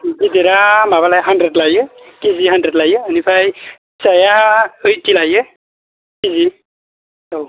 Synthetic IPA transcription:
zidiɾamabalajɦandɾedlajɯkiziɦandɾedlajɯənipʰaj | sajaɯjtilajɯ | kizi | aw

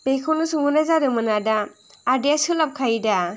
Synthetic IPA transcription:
bekʰɯwnɯsɯŋɯnazadɯmɯnadaː | dijasɯlap̚kʰajda

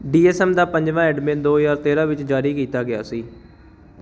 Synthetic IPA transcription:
ɖiːɛːsɛːmd̪aːpə̃ɲd͡ʒʋãːɛːɖmẽːnd̪oːjaːɾt̪eːɾãːʋɪt͡ʃd͡ʒaːɾiːkiːt̪aːɡɪja̰ːsiː

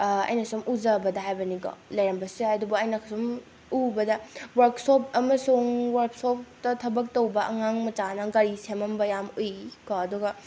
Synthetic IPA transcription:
ɐ̰jnɐsumʔuzɐbɐdɐɦajbɐniɡo̰lɐjɾɐmbɐsihajdubɐɐjnɐkʰɐsum | ubɐdɐwɐɾksop̚ʰɐmɐsuŋwɐɾksop̚ʰtɐtʰɐbɐk̚towbɐʔɐŋaŋmɐt͡ʃanɐɡɐɾisemɐmbɐjamojkoːduɡɐ

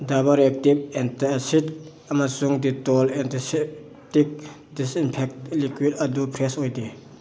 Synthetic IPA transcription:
d̪abaɾɛk̚tip̚ɛntaɐsit | ɐmasuŋd̪itɔlɛnd̪isɛ | tik̚ | disinpʰɛk̚t̚likwidɐdupʰɾɛsɔjdi

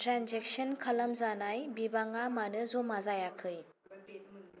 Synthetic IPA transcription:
tɾanzek̚sənkʰɐlɐmzanajbibaŋamanɯzomazajakʰɯj

